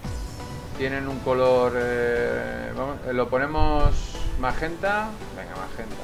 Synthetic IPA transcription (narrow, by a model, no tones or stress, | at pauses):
t̪je̞nẽ̞nuŋko̞lo̞ɾe | βamolo̞po̞nẽ̞mosmaxe̞nt̪a | beŋɡa̰ma̰sxent̪a